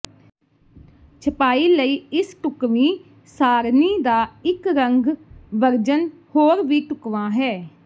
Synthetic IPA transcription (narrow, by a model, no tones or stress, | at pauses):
t͡ʃʰəpaːiːləiːɪsʈʊkʋĩː | saːɾniːd̪aːɪkɾəŋɡʋəɾd͡ʒənhoːɾʋiːʈʊkʋãːɦɛː